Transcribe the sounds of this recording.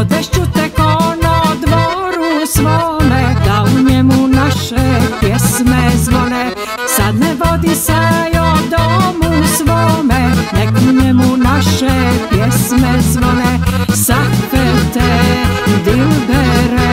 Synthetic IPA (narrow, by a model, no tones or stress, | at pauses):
d̪ɛʃt͡ʃut̪ɛkonod̪ʋoɾusʋoːmɛd̪auɲɛmunaʃɛpjɛsmɛzʋolɛ | sad̪nɛʋod̪isɛjod̪omusʋoːmɛnɛɡuɲɛmunaʃɛpjɛsmɛzʋolɛsakfɛt̪ɛ | d̪ilbɛɾɛ